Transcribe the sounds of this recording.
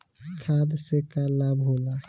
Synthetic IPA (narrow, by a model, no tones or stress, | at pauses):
kʰaːd̪sekalabɦoːla